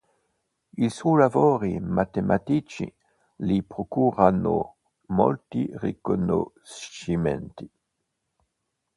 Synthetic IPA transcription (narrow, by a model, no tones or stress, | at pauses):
ilsujlavoːɾimʔat̪emʔat̪it͡ʃḭ | lipɾokuːrano̰ | mo̰lt̪irekono̰ | simɛ̰nt̪i